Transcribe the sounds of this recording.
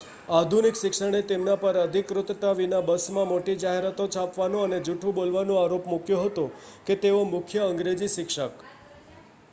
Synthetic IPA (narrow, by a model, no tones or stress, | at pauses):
ad̪ʱunikʃɪkʂəɽ̃et̪emnapəɾəd̪ʱikɾʊt̪t̪aʋinabəsmãmoʈid͡ʒaɦeɾat̪ot͡ʃʰapʋanõəned͡ʒuʈʰũbolʋanũaɾopmukjoɦət̪õket̪eomʊkʰjəəŋɡɾed͡ʒiʃɪkʂək